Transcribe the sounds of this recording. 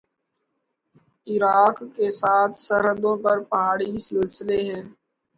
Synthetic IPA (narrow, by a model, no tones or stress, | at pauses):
ɪɾaːkːeːsaːt̪ʰsəɾɦəd̪õːpəɾpəɦaːɽiːsɪlsɪleːɦɛ̃ː